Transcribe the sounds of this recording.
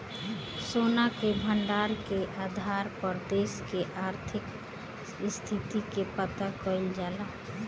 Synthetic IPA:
soːnakebʱəɳɖaːɾkeʔaːd̪ʱaːɾpəɾd̪eːskeʔaːɾt̪ʰɪk | st̪ʰit̪ikepət̪akɔɪld͡ʒala

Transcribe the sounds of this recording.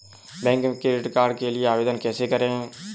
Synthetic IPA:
bɛ̃ːŋkkɾeːɾɪʈkaːɾɖkelɪeaːʋeːd̪ənkɛːsekəɾẽɦɛ̃ː

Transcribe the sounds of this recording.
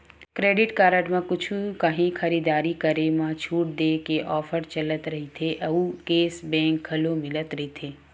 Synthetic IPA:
kɾeːɖɪʈkaːɾəʈmẽkʊt͡ʃʰukɐɦĩxʰɐɾiːd̪aːɾikɐɾemãt͡ʃʰuːʈ̚d̪eːkeʔɔːfʰəɾt͡ʃɐlət̪ɾɐɦit̪ʰeʔɐukeːsbɛ̃ːŋkʰːɐlõmɪlət̪ɾɐɦit̪ʰeː

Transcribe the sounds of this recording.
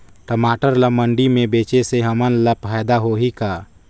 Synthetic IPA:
ʈəmaːʈəɾləməɳɖimẽbeːt͡ʃeseɦəmənləpʰaːd̪aɦoɦika

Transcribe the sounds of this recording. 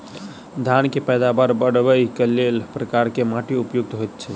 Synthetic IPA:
d̪ʱankepɛjd̪abaɾbəɽbəjkelelpɾəkaɾkemaʈiupjuɡ̚t̪ɦojt̪̚t͡ʃʰɛ

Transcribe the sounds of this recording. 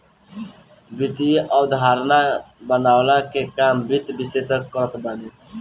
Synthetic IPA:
bit̪iʔɔd̪ʱaːɾnabənaːwlakekaːmbʱit̪bisesəkəɾət̪ʰbane

